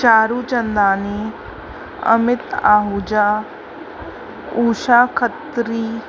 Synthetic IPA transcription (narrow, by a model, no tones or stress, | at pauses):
t͡ʃaːɾuːt͡ʃɐnd̪aːni | ɐ̰mɪt̪aːɦuːd͡ʒaː | uːʃaːkʰət̪ɾiː